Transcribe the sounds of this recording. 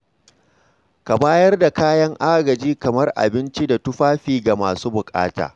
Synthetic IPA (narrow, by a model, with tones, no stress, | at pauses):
ka˨baː˦jɐ˦rda˨kaː˦jɐ˦ŋʔa˦ɡɐ˨d͡ʒiː˦kɐ˨mɐ˦rʔa̰˨bɪ˦nt͡ʃi˦da˨tʊ˦ɸaː˦ɸiː˨ɡa˨maː˨suː˦bʊ˨kʼa̰ː˦ta̰ː˨